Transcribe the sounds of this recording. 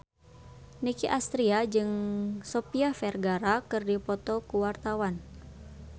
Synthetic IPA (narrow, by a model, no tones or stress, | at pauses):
nikiʔast̪ɾiad͡ʒɨŋsɔpiafɛrɡaɾakɨrdipɔt̪ɔkuwart̪awan